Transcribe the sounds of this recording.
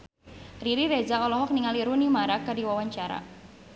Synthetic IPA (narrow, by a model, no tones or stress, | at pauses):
riɾiɾed͡ʒaʔɔlɔɦɔk̚niŋaliɾunimaɾakardiwawaɲt͡ʃaɾa̰